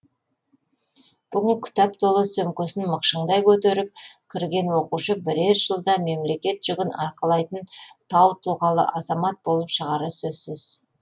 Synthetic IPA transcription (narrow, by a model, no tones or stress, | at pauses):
b̥ʏɡʲɪŋkʲʰɪ̥t̪æpt̪ʰolˠəsɵmkʲɵsɪnməqʃəɴd̪ɑjkʲʰɵt̪e̞ɾɪp̚kʲʰɪɾɡʲe̞nwoquʃəbɪɾe̞ɾʒəlˠd̪ɑme̞mle̞kʲe̞t̪ʒ̥ʏɡʲɪnɑ̰ɾqəlˠɑjt̪ənt̪ʰɑwt̪ʰʊlˠʁɑlˠə̰ʔɑzɑmɑt̪̚bo̞lˠəpʃəʁɑɾəsɵzsɪz